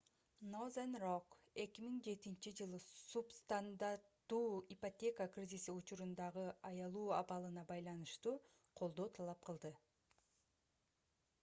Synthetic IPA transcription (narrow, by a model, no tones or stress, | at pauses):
nozanrok | e̞kʲimiŋd͡ʒe̞t̪int͡ʃid͡ʒɯlˠɯsupst̪and̪aɾt̪ːuːipotʲe̞kəkrʲizʲisiut͡ʃuɾund̪ɑʁɯɑjɑlˠuːɑβɑlˠɯnɑbɑjlˠɑnɯʃt̪uː | qʰo̞lˠd̪o̞ːt̪ʰɑlˠɑp̚qɯlˠd̪ɯ